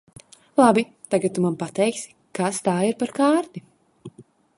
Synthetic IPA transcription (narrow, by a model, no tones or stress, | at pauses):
lˠabi | t̪aɡat̪̚ːumãmpat̪ɛjksi̥ | kast̪aːiɾpaɾkaːɾt̪i